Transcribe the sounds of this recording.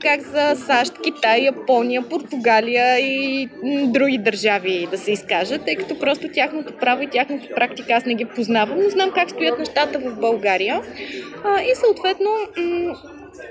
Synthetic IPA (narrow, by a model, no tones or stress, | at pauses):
kakzɐsaʃt̪kʲit̪ajːɐpɔnijəpoɾt̪ʊɡalijəi | d̪ɾuɡʲid̪ɐɾʒavid̪ɐsɛiskaʒət̪ːɤjkɐ̥t̪ɔpɾɔst̪ot̪ʲaxnot̪opɾavoit̪ʲaxnot̪o̥pɾakt̪ikəasnɛɡipoznavəmnoznamkakst̪ʊjət̪nɛʃt̪at̪əvəvbɐlˠɡaɾijə | isəot̪vɛt̪no